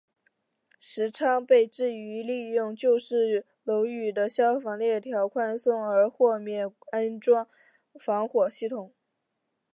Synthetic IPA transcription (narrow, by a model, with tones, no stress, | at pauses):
ʂɻ̩˧˥ʈ͡ʂʰɑ˥ŋpe˥˧ɪʈ͡ʂɻ̩˥˩y˧˥li˥˧jʊ˥˩˧ŋt͡ɕjo˥˧ʊʂɻ̩˥˩ | lo˧˥ʊy˨˩d̪ə˦ɕjɑ˥ʊfɑ˧˥ŋljɛ˥˩t̪ʰjɑ˧˥ʊkʰwa˥˧nsʊ˥˩ŋə˞˧˥xwɔ˥˧mjɛ˥˩na˥nʈ͡ʂwɑ˥ŋ | fɑ˧˥ŋxwɔ˨˩ɕi˥˩t̪ʰʊ˨˩˦ŋ